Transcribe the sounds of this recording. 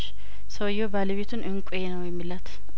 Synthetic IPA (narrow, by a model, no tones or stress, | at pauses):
səwjobaːlɛβet̪ʰʊnʔɨŋkʼʊjenəwjɛmːilat̪